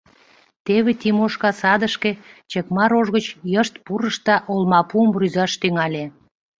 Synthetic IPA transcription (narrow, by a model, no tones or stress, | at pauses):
t̪eβet̪imoʃkɑsɑd̪əʃket͡ɕekmɑɾoʒɣət͡ɕjəʃt̪̚puɾəʃt̪ɑʔolmɑpuəmryzɑʃt̪yŋɑlʲe